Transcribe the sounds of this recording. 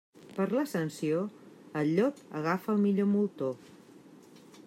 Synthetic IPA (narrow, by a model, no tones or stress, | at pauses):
pəɾləsənsioəlʎɔkəɣafəːlˠmiʎomulˠt̪o